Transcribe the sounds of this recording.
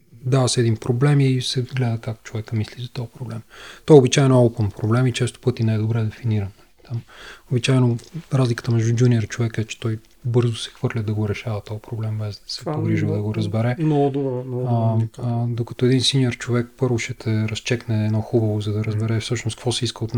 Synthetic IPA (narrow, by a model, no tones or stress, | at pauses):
d̪avɐsɛd̪inpɾoblɛmisɛɡlɛd̪əkaktt͡ʃovɛkəmislizɐt̪ɔpɾoblɛmt̪ɔɛobit͡ʃaɛnoɔlˠpəmpɾoblɛmit͡ʃɛst̪o̥pɤt̪inajd̪obɾɛd̪ɛfiniɾənːɐlit̪amobit͡ʃaɛnoɾazlikə̥t̪əmɛʒd̪ud͡ʒʲuniəɾt͡ʃovɛkɛt͡ʃɛ̥t̪ɔj | bɤɾzʊsɛ̥xvɤɾlʲəd̪ɐɡoɾɛʃavɐt̪ɔjpɾoblɛmbɛzd̪ɐsɛpoɡɾiʒvəd̪ɐɡoɾɐzbɛɾɛnd̪ | d̪okɐt̪ɔɛd̪insiniəɾt͡ʃovɛk̚pɤɾvoʃɛt̪ɛɾɐst͡ʃɛknɛːnɔxubəvozɐd̪ɐɾɐzbɛɾɛfsɤʃnoskvɔsɛiskəot̪n